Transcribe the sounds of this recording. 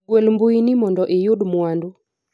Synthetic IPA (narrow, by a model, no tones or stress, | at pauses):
wɛlmbuinimɔndɔʔejuɗumuwandu